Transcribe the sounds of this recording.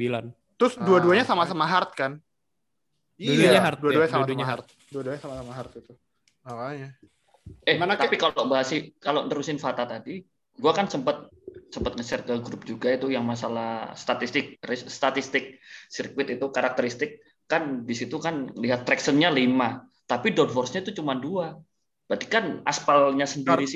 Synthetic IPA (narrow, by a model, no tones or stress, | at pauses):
sbilan | t̪ɾʊsduaduaɲasamasəmaɦart̪̚kan | dɲaɦaduaduaasaduɲaɦart̪̚ | duaduaɲasamasəmaɦart̪̚it̪u | aaja | ɛhanat̪apikalobaɦasikaloʔndəɾusɪnfat̪at̪adi | ɡuakansəmpət̪̚ | səmpət̪̚ŋəsərkəɡɾup̚d͡ʒuɡait̪ujaŋmasalahst̪at̪ist̪ɪk̚ɾisst̪at̪ist̪ɪk̚sirkwɪt̪it̪ukaɾak̚t̪əɾist̪ɪkː | anbisit̪ukanŋəliɦat̪ːɾɛksənɲalima | t̪apidɔd̚fɔrsɲait̪ut͡ʃumandua | b̥ɾat̪ikana̰spalɲasəndiɾis